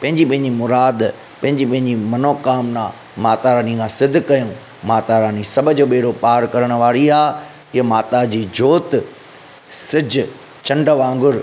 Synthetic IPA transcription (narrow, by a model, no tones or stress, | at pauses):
pɐ̃ɦɪ̃ɲd͡ʑipɐ̃ɦɪ̃ɲd͡ʑimʊɾaːd̪ | pɐ̃ɦɪ̃ɲd͡ʑipɐ̃ɦɪ̃ɲd͡ʑimɐnoːkaːmnãː | maːt̪aɾaːnĩkʰãːsɪd̪ʱkːɐjũ | maːt̪aɾaːnisɐbʱəd͡ʑoːɓeːɽopaːɾkɐɾəɽ̃ʋaːɾiaː | ɪɦmaːt̪ad͡ʑiːd͡ʑoːt̪ | sɪd͡ʑ | t͡ɕɐ̃ɳɖʋãːŋɡʊɾ